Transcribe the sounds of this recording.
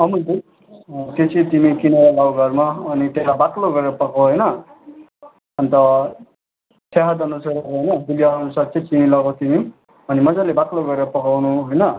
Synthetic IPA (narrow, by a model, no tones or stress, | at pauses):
ʌmud̪it̚ | t̪et͡sʰit̪imikinʌɾaɡawɡʱʌɾmaʌnit̪jeɦabakloɡʌɾeɾʌpʌkoɦojnʌ | ʌnt̪ʌ | t̪ʰeɦad̪ʌnusaɾʌkoɦojnʌd̪uljaɦʌnusaɾt͡sʰʌt͡similʌɡʌt̪imi | ʌnimʌd͡zalebakloɡʌɾeɾʌpʌkawnũɦojnʌ